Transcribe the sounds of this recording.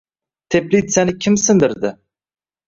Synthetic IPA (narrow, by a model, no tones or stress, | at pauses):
t̪ʰeplit̪sanɪkʲʰɪmsɪnd̪ɪɾd̪ɪ